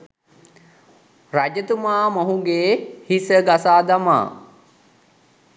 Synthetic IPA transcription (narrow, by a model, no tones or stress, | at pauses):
rad͡ʒət̪umaːmoɦuɡeːhisəɡasaːd̪ama̰ː